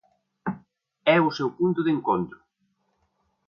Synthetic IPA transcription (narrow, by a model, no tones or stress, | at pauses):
ɛʊsewpunt̪ʊðeŋkont̪ɾʊ